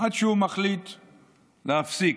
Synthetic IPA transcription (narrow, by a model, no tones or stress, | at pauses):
ħad̪ʃeumaχlit̪ | leafsik